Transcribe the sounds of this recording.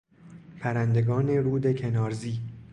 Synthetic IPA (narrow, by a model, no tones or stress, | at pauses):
pʰæɾænd̪e̞ɡɒːne̞ɾuːd̪ecʰe̞nɒːɾziː